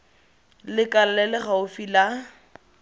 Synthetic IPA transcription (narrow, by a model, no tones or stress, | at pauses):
lɪkʼal̩lɛlɪχaʊfila